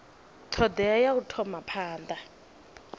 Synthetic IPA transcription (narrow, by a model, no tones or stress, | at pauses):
tʰɔdɛajautʰɔmapʰaːnd̪a